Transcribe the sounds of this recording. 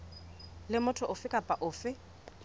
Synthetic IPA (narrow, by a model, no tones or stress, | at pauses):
lɪmʊtʰɔʔʊfɪkʼapʼaʔʊːfɪ